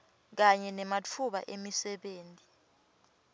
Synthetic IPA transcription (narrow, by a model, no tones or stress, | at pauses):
k̬aɲɛnɛmat͡fʰuɓa̰ʔemisɛɓeːntʼi